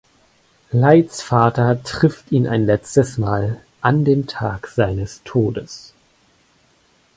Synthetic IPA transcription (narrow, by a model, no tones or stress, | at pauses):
laɪt͡sfaːtɐtʁ̥ɪftiːna̰ɪnlɛt͡stəsmaːl | ʔandeːmtʰaːkz̥aɪnəstʰoːdəs